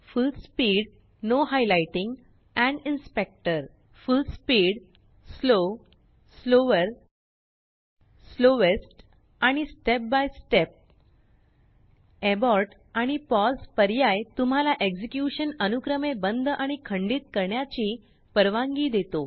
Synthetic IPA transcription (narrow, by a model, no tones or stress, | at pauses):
fulspiːɽ | noɦajlajʈĩŋɡ | ɛ̃ɳɖinspek̚ʈəɾ | fulspiːɽ | slo | sloʋəɾ | sloʋesʈ | aɽ̃isʈep̚bajsʈep̚ | ebɔɾʈ | aɽ̃ipɔspəɾjajt̪um̤alaʔeɡd͡ʑikjuɕənənukɾəmebənd̪ʱʔaɽ̃ikʰəɳɖiːt̪̚kəɾɳjat͡ɕiː | pəɾʋãŋɡiːd̪et̪o